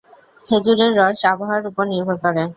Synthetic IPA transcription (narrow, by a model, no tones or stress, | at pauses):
hed͡ʑuɾeɾːɔɾʃabʱaɦaɾupoɾniɾbʱoɾkɔɾe